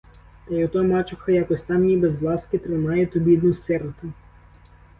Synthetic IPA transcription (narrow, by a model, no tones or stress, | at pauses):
t̪ɐjɔt̪ɔmɑt͡ʃʊxɐjakɔsʲt̪ɑmjibezʋlˠɑskɪt̪ɾɪnɑjɛt̪ɔbʲid̪nʊsɛɾt̪ʊ